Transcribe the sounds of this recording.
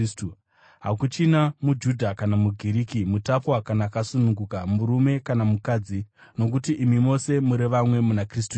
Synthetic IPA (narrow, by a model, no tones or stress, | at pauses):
stu | ɦa̰kut͡ʃinamud͡ʒudʱakanamuɡʱiɾiːkimutapwakanaːkasunuŋɡukamuɾume̞kanamukaːd͡zi | no̞k̬utiʔimimo̞se̞muɾe̞ʋamwe̞munakris̬tu